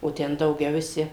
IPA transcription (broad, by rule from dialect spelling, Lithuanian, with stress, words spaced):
oː ˈtʲɛn dɐʊˈɡʲɛʊ ʋʲɪˈsʲɪ